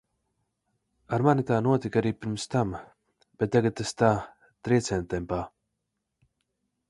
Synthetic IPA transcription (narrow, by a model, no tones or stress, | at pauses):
aɾmanit̪aːnuɔt̪ikaɾiːpiɾmst̪am | b̥et̪̚t̪ːaɡat̪̚t̪ːast̪aː | t̪ɾiɛt̪sʲɛnt̪ɛmpaː